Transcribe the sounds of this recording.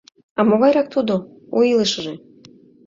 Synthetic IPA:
ɑmoɣɑjɾɑk̚t̪ud̪o | oilɨʃəʒe

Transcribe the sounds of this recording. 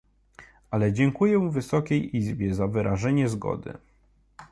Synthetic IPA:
ʔalɛd͡ʑɛŋkujɛvɘsɔkʲejizbʲjɛzavɘɾʔaʐɛɲɛzɡɔ̰d̪ɘ̰

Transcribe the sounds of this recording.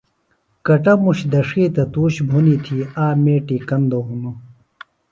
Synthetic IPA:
kɐʈɐmuɕd̪ɐʂiːt̪ɐt̪uːɕbʱonit̪ʰiaːmeːʈikɐnd̪oɦunu

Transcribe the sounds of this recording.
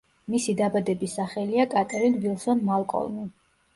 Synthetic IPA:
misid̪abad̪ɛbisaχɛliakʼat̪ʼɛɾinvilˠsɔnmalˠkʼɔ̰lˠni

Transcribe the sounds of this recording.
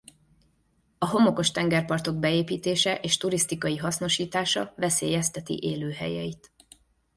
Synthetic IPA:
ɒɦo̞mo̞ko̞ʃt̪ɛŋɡɛrpɒrt̪o̞ɡ̚bɛeːpiːt̪eːʃɛʔeːʃt̪uɾist̪ikɒjiɦɒsno̞ʃiːt̪aːʃɒ̰vɛseːjɛst̪ɛt̪ḭʔeːløːɦɛ̰jɛit̪

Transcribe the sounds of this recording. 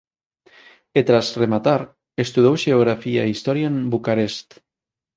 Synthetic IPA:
et̪ɾazremat̪aɾ | est̪uðowʒeoɣ̞ɾafia̰eist̪ɔɾjaembukaɾest̪

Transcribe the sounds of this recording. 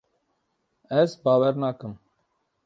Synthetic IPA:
ɛzbaːwɛɾnaːkəm

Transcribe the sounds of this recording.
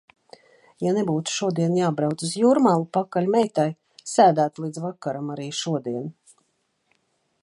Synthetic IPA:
janebuːt̪u̥ʃuɔd̪iɛnjaːbɾawt̪suzjuɾmalˠupakːalʲmɛjt̪aj | sæːd̪æːt̪lˠiːd̪zvakːaɾamaɾiːʃuɔd̪iɛn

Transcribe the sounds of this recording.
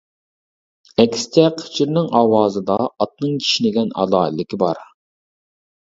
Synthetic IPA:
ɛkʲst͡ʃ̪ʰɛqʰə̥t͡ʃʰiɾnɪŋɑːwɑːzɨd̪ɑːt̪̚nɨŋkʲʰi̥ʃinɪɡʲɛnɑ̰lˠɑːɨlːɪkʲibɑɾ

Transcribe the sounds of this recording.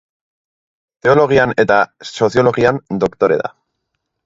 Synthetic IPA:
t̪e̞o̞lo̞ɣ̞iane̞t̪aso̞θjo̞lo̞ɣiand̪o̞kt̪o̞ɾe̞̰ða̰

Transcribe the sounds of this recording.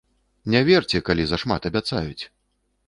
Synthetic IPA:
nʲɛvʲɛrt͡sʲɛkalʲizɐʂmat̪ɐbʲat̪sa̰jut͡sʲ

